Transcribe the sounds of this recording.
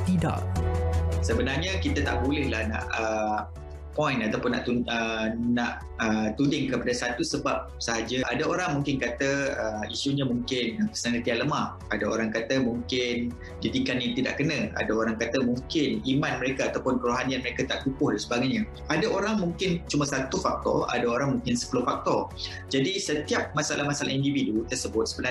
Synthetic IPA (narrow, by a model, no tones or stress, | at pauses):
t̪ida̰ʔ | səbənarɲakit̪at̪a̰ʔbolɛhlahna̰ʔə | pɔjnat̪awpʊnːa̰ʔt̪uənaʔ | ət̪udɪŋkəpadasat̪usəbap̚səɦad͡ʒaʔadaoɾaŋmuŋkɪnkat̪əəmisuɲamũŋkɪnpə̥snalət̪ianləmah | adaoɾaŋkat̪əmuŋkɪn | didikanjaŋt̪ida̰ʔkənə̃a̰daoɾaŋkat̪əmuŋkɪnimãnməɾekaat̪awpʊnkəɾuɦanianməɾekat̪aʔkupʊhdansəbaɡajɲã | adaʔoɾaŋmũŋkɪnt͡ʃumasat̪ufak̚t̪ɔ̰a̰daoɾaŋmũŋkɪnsə̥pulʊhfak̚t̪ɔr | d͡ʒadisət̪iap̚masaalʔahmasala̰hindividut̪ərsəbʊt̪̚səbəna